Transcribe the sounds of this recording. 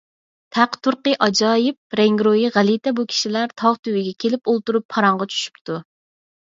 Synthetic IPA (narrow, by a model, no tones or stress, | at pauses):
t̪ʰæqt̪uɾqəʔɑd͡ʒɑːjɪp̚ɾɛŋɡɾojiʁælit̪ʰɛbukʲʰi̥ʃilæɾt̪ʰɑʁt̪ʰywɪɡʲɛkʲʰelɪpolˠt̪uɾupʰːɑɾɑɴʁɑt͡ʃʰy̥ʃy̥pt̪ʰu